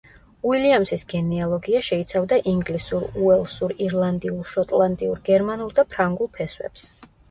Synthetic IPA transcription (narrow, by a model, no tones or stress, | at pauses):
wiliamsisɡɛnialˠɔɡiaʃɛit̪sʰavd̪aʔiŋɡlisuɾuɛlˠsuɾiɾlˠand̪iulˠʃɔt̪ʼlˠant̪ʼiuɾɡɛɾmanulˠd̪apʰɾaŋɡulˠpʰɛswɛ̰ps